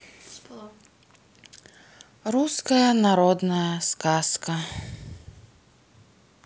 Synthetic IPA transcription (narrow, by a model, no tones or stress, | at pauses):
ɾuskɐjɐnaɾɔd̪nɐjɐskaskɐ